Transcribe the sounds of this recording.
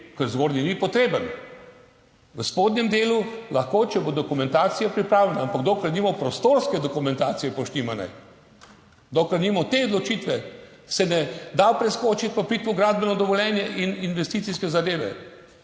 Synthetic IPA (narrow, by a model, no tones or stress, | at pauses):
kəɾzɡoɾninipɔt̪ɾeːbən | ʋəspoːd̪nʲɛmd̪eːlulɐxkoːt͡ʃɛbod̪ɔkumɛ̃nt̪aːt̪sijapɾipɾaːwlʲɛnaampaɡd̪oːkɾat̪niːmɔpɾɔst̪oɾskɛd̪ɔkumɛnt̪aːt̪sijɛpoʃnimana̰j | d̪oːkaɾnimɔt̪eɔd̪lɔt͡ʃiːt̪ʋɛ | sɛnɛd̪awpɾɛskoːt͡ʃit̪̚pɔpiːt̪ʋɔɡɾaːd̪̚bɛnɔd̪ɔʋɔlʲjɛnjɛʔininʋɛst̪it̪siskɛzad̪eːʋɛ̰